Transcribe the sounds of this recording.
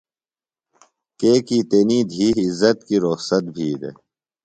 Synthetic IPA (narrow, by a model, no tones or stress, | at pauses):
keːkiːt̪eːniːd̪ʱiːzːɐt̪̚kiɾohsɐt̪̚bʱiːd̪ḛ